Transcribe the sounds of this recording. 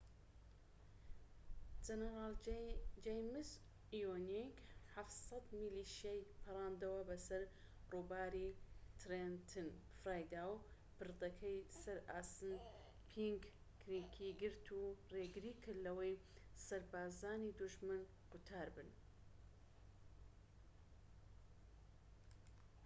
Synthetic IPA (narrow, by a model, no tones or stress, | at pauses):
d͡ʒɐnɛɾɑːld͡ʒejmɨs | ijonekħaft̪sɐd̪miliːʃjajpʰɨɾˤaːnd̪ɐwɐbɐsɐɾruːbaːɾit̪ʰɾent̪ʰɨn | fɾaːjd̪aːw | pɨɾd̪ɐkʰɐjsɐɾaːsɨn | pʰiŋɡ | kɾikʰiɡɨɾt̪ʰureːɡɨɾiːkʰɨɾlɐwɐjsɐɾbaːzaːnid̪uʒmɨn | ɡ̥ut̪ʰaːɾbɨn